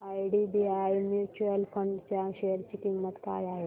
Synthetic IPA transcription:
ajɖibiajmjut͡ɕuəlpʰəɳɖt͡ɕaɕeəɾt͡ɕiːkimːət̪ka̰jaɦe

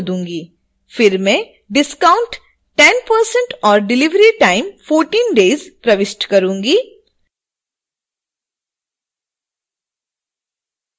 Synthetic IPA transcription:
d̪ũːŋɡiː | fɪɾmẽ | ɖɪskaːʊ̃ɳʈ | ʈɛnpəɾsə̃ɳʈɔːɾɖɪlɪʋɾiʈaːɪmfoːɾʈiːnɖeːzpɾɐʋɪsʈkɐɾũːŋɡiː

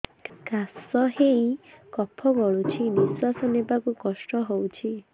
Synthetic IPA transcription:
ɡasɔɦeĩkɔpʰːɔɡɔɭut͡ʃʰiniswasɔnebakukɔsʈɔɦowt͡ʃʰi

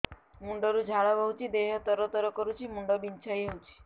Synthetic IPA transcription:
muɳɖɔɾud͡ʒʱaɭɔbɔɦwt͡ʃʰid̪eɦɔt̪ɔɾɔt̪ɔɾɔkɔɾut͡ʃʰimuɳɖɔbint͡ʃʰajɦowt͡ʃʰi̥

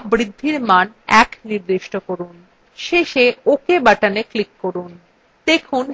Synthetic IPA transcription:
bɾid̪ʱːiɾman | ɛkniɾd̪iʃʈokoɾun | ʃeʃeokebaʈaneklikːoɾun | d̪ekʰun

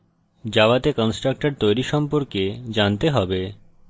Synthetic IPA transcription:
d͡ʑabat̪ekɔnsʈɾak̚ʈaɾ̚t̪ojɾiʃɔmpoɾked͡ʑant̪eɦɔbe

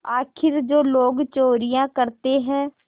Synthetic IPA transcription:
aːkʰɪɾd͡ʒoːloːɡt͡ʃoːɾijãkəɾt̪eɦɛ̃ː

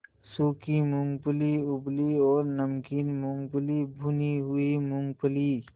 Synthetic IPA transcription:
suːkimʊ̃ŋɡpliʊbliɔːɾnəmkiːnmʊ̃ŋɡpʊlibʱuniɦʊimʊ̃ŋɡpəli

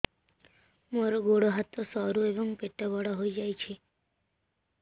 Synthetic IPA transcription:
moːɾoɡoːɽoɦat̪ːosɔːɾuebəŋpeʈːabɔɽaɦoid͡ʒaːit͡ʃʰe

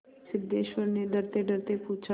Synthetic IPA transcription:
sɪb̚d̪eːʃwəɾneɖəɾt̪eɖəɾt̪epuːt͡ʃʰa

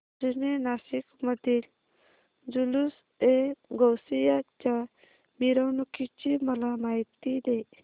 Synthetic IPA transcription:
d͡zinenasikməd̪il | d͡zulus | eɡɔwsijat͡ɕa | miɾəwnukʰit͡ɕimɔlamajt̪id̪e

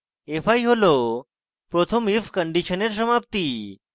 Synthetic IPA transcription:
efʰaiɦolo | pɾot̪ʰəmifkəɳɖiʃəneɾsəmap̚t̪i

